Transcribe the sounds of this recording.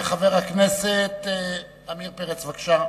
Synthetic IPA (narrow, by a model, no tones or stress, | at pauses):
χaveʁhakneset̪ | amiʁpeʁet͡svakʃa